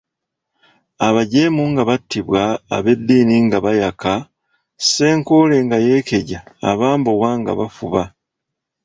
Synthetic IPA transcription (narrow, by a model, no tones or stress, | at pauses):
aβaɟe̞muŋɡaβatːiβwa̰ːβe̞d̪ːiːniŋɡaβajaka | se̞ːŋkole̞ŋɡaje̞ːke̞ɟa̰ːβaːmboɣwaːŋɡa̰βafuβa